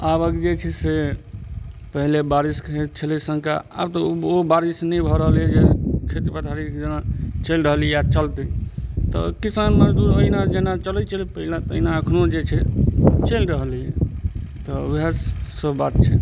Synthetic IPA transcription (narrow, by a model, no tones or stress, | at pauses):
abəkd͡ʒet͡ʃʰɛse | pəɦilebaɾiskʰet̪t͡ʃʰəlɛsəŋkʰa̰a̰bt̪ɔobaɾisnəbʱɔɾəɦəljɛd͡ʒekʰet̪ipət̪ʰaɾid͡ʒenat͡ʃəlɾəɦlɛjat͡ʃəlt̪ət̪ɔ̰kisəmeməd͡ʒd̪uɾoɦinad͡ʒenat͡ʃələt͡ʃʰəlipəɦilat̪əɦinaəkʰnod͡ʒet͡ʃʰɛt͡ʃəlɾəɦəlijɛt̪ɔːbʱiɦassəbʱbat̪̚t͡ʃʰɛ